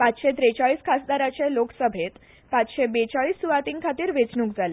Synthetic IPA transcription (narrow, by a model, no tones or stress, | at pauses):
pat͡sɕet̪ɾet͡saɭiːskʰasd̪aɾat͡ɕeloksəbʱet̪ | pat͡sɕebet͡saɭiːsːuʋat̪iːŋkʰat̪iːɾʋet͡snũːkd͡zʱale